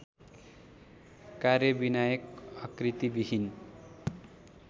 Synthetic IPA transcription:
karjʌbinajʌkʌkrit̪ibiɦin

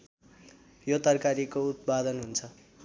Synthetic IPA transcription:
jot̪ʌrkaɾikout̪̚bad̪ʌnɦunt͡sʰʌ

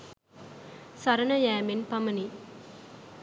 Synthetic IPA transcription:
saɾənəjæːmenpaməni

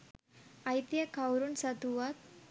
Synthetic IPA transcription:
ajt̪jəkʰawɾuːnsat̪uʋat̪̚

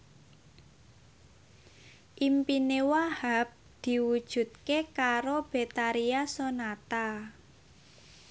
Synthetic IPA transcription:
ʔimpinewahap̚ | d̪̥i̤wud̥ʒ̥ṳt̪̚kekaɾob̥et̪aɾiasonat̪a

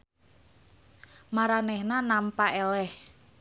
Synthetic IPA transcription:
maɾanɛhnanampaʔɛlɛh

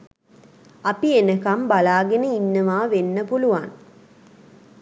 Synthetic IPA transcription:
ɐpienəkambɐlaːɡenəinːəʋaːʋenːəpuluʋan

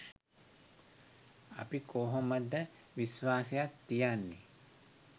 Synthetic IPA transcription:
ɐ̰pikoːɦoməd̪ə | ʋisʋaːsejat̪ːijanːḛ

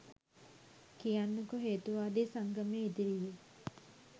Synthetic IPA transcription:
kijanːukoɦeːt̪uʋaːd̪esaŋɡəmeːid̪iɾije

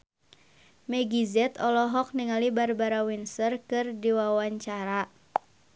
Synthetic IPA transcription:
mɛɡizɛt̪ɔlɔɦɔk̚niŋalibarbaɾawinsərkɨrdiwawaɲt͡ʃaɾa

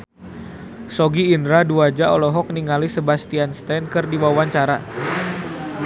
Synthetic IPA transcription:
sɔɡiːndɾaduad͡ʒaɔlɔɦɔk̚niŋalisəbast̪ianst̪ankɨrdiwawaɲt͡ʃaɾa

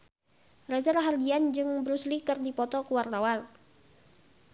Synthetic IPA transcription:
razaɾaɦardiand͡ʒɨŋbɾuslikɨrdipɔt̪ɔkuwart̪awal

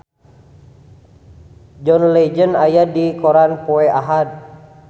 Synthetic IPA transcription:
d͡ʒɔnled͡ʒənajadikɔɾanpɔɛaɦad̪̚

